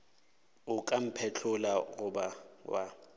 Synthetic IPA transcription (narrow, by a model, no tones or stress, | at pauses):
ʊkʼam̩pʰɛt͡ɬʰʊlaɣʊbawa